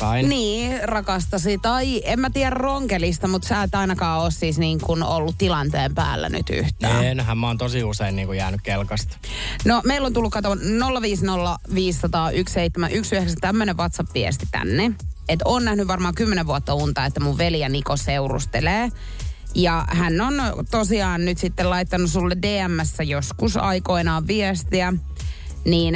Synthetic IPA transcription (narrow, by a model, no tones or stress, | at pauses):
ɑiniːrɑkɑst̪ɑsit̪ɑiemmæt̪iærærroŋkelist̪ɑmut̪sæːet̪ɑinɑkɑːoːssiːsniːŋkunolːut̪t̪ilɑnt̪eːmpæ̰ːlːæ̰ny̰t̪y̰ht̪æːenɦæmmoːnt̪osiuseinniːŋkujæːnykkelkɑst̪ | nomeilːont̪ulːukɑt̪onolːɑʋiːsnolːɑʋiːsːɑt̪ɑːʔyksseit̪ːemæʔyksyheksæt̪æmːøneʋʋɑt̪sɑpʋiɛ̰st̪i̥t̪æ̰nːeet̪oːnæhnyʋʋɑrmɑːŋkymːeneʋuɑt̪ːɑunt̪ɑet̪ːæmuʋʋeljænikoseurṵst̪eleː | jɑhænːont̪osiɑːnnyt̪sit̪ːelɑit̪ːɑnussulːedeːæmːæsːæjoskusɑ̰ikoinɑːʋʋiɛst̪iæ | niːn